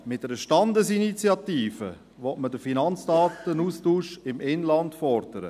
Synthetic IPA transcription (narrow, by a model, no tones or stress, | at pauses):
mɪtdɛɾəʃtɑndəsinit͡sjɑtiːfə | ʋɔtmədəfinɑnt͡sd̥ɑːt̪ənuːstuːʃɪmɪnlɑntfɔrd̥əɾə̰